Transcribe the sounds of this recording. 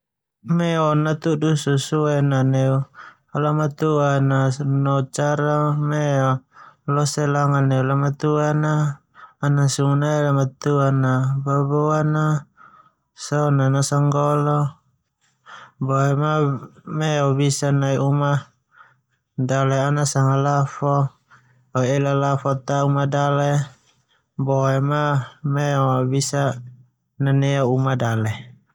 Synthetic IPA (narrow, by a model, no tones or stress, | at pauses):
mɛɔnat̪udususuɛnaneu | alamat̪uananɔt͡ʃaɾameɔlɔselaŋaneulamat̪uanaː | nasuŋunailamat̪uanababoana | sɔnanasaŋɡɔlɔ | bɔɛmamɛɔbisanaiʔuma | dalɛanasaŋalafɔ | ɔelalafɔt̪aumadale | bɔɛmamɛɔbisa | naneaumadalɛ